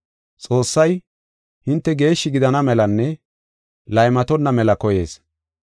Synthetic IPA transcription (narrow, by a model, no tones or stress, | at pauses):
t͡sʼo̞ːsːɐj | hɪnt̪ːɛɡe̞ːʃːɪɡɪd̪ɐnɐmɛlɐnːɛ | lɐjmɐt̪ɔnːɐmɛlɐkɔje̞ːs